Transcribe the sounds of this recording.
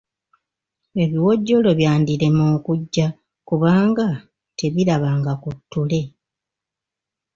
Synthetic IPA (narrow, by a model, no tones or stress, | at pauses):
e̞βiwo̞ɟːo̞lo̞βjaːndiɾe̞moːkuɟːa | kuβaːŋɡa | te̞βiɾaβaːŋɡakutʰːule̞